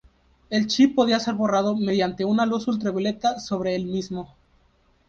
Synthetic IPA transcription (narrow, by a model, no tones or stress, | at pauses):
e̞lt͡ʃipːo̞ðiase̞ɾβo̞rað̞o̞me̞ðjant̪e̞unalusult̪̬ɾaβjole̞t̪aso̞β̞ɾe̞elmizmo̞